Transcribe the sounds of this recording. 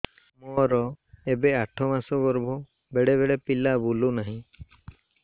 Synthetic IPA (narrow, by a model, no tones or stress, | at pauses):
mɔɾɔebeaʈʰɔmasɔɡɔɾbʱɔ | beɽebeɽepilabulunaɦĩ